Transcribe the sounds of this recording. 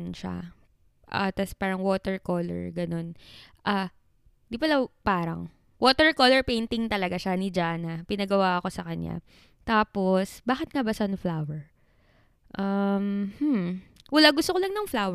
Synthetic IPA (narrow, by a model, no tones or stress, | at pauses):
nʃa̰ | ʔɐ̰t̪ɐspaːɾɐŋwoːt̪ɛɹkoːlɛ̰ɹɡɐno̞nʔaː | nd̪ipɐlɐpaːɾɐ̰ŋ | woːt̪ɛɹkolɛɹpejnt̪ɪŋt̪ɐlɐɡaʃanɪd͡ʒaːnɐpɪnɐɡɐwaʔɐko̞sɐkɐɲja̰ | t̪aːposbaːxɪt̪̚ŋabɐsɐnflawɛɹ | ʔamhm̩wɐlaɡʊst̪okolɐŋnɐŋflaːw